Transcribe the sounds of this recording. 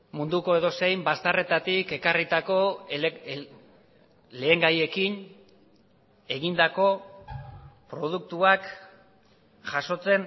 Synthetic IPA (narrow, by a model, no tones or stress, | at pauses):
mund̪uko̞e̞ðo̞se̞jmbast̪are̞t̪at̪ike̞karit̪ako̞ | le̞ːŋɡaje̞kin | e̞ɣind̪ako̞ | pɾo̞ð̞uk̚t̪uak | ʝaso̞t͡se̞n